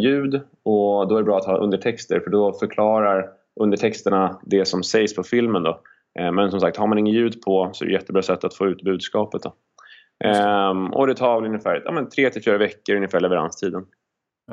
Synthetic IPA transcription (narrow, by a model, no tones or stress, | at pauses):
jʉ̟ːd̪ | ɔd̪ɔæɖɛbɾɑːat̪hɑːʔɵ̰nd̪əʈʰɛkst̪əɾfœɖɔfœɾkʰlɑːɾaɾ | ʔɵnd̪əʈʰɛkst̪əɳad̪ɛsɔmsɛjspʰɔfɪlmənd̪ɔ | mɛnsɔmsakt̪haɾmanɪŋːənjʉ̟ːd̪pʰɔsɔɛ̰ɾɛ̰jɛt̪ːəbɾɑːsɛt̪ːat̪foːʉ̟ːt̪bʉ̟ːd̪skɑːpət̪̚d̪ɔ | ɔ̰d̪ɛt̪ʰɑːɾvɛlɵnːəfæːɾjɑ̰ːmɛnt̪ʰɾeːt̪ʰɪlfyːɾavɛkːəɾɵnːɪfæːɭɛvɛɾa̰nst̪ʰiːd̪ən